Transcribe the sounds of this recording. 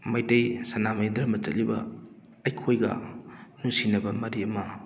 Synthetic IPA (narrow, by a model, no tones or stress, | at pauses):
mɐjtɐjsɐnamɐjd̪ɾɐmɐt͡ʃɐ̰libɐ̰ː | jkʰojɡɐ̰nusinɐbɐmɐɾiɐmɐ